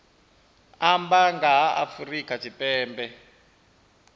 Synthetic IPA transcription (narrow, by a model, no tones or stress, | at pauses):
ambaŋɡaa̰furikatʰipɛːmbɛ